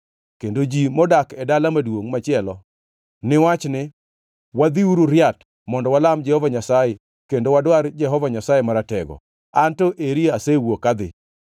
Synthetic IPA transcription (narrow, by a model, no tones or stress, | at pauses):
kendod͡ʒimɔdakɛdalamadwoŋmat͡ʃɪɛlɔ | nɪwat͡ʃnɪ | wad̪iuɾuɾjat | mɔndɔwalamd͡ʒɛhɔvaɲasaje | kendowadwaɾd͡ʒɛɦɔvaɲasajemaɾatɛɡɔ̰ | antɔʔeɾiasewokad̪ɪ̰